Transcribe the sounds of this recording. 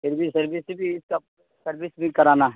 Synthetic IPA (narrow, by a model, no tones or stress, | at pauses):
pʰɪɾbʱisɐɾbɪsbʱiɪska | sɐɾbɪsbʱĩkɐɾaːnaɦ